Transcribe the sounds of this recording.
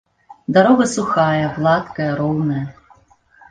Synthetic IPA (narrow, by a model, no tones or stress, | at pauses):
d̪aɾɔɣɐsuxajɐblˠat̪kɐjɐɾɔwnɐjɐ